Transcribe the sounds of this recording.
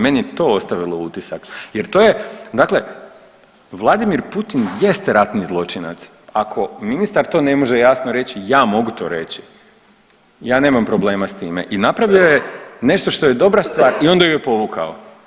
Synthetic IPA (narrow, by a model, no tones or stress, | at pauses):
me̞niet̪o̞ːost̪aʋilout̪isakje̞ɾt̪oːjed̪akle̞ | ʋlˠad̪imiɾput̪inje̞st̪eɾat̪nizlˠo̞t͡ʃina̰t̪s | akʰo̞minist̪aɾt̪o̞ːne̞moʒejasnoɾe̞t͡ɕijaːmo̞ɡut̪o̞̰ːɾe̞t͡ɕi̥ | jaːne̞ːmampɾo̞ble̞ːmast̪iːme̞̰ʔinapɾaʋio̞jene̞ʃt̪o̞ʃt̪o̞je̞d̪o̞bɾast̪ʋaːɾio̞nd̪ajujepo̞ʋukʰa̰o